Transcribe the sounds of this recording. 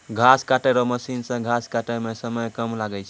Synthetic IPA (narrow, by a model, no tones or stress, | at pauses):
ɡʱaskaʈɛɾɔməsinsə̃ɡʱaskaʈɛmesəməjkəmlaɡɛt͡ʃʰɛ